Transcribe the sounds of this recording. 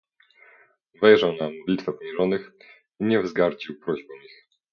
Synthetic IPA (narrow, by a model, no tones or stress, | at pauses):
vɛjʐawnamɔd̪lʲit̪fɛpɔɲɛʐɔnɘx | iɲɛvzɡaɾd͡ʑiwpɾɔʑbɔmix